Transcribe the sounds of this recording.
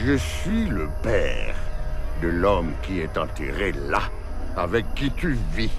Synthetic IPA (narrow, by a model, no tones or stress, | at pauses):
ʒəsɥiləpɛ̰ʁd̪əlɔmkʲiɛt̪ɑ̃t̪ḛʁela | avɛkːit̪yvi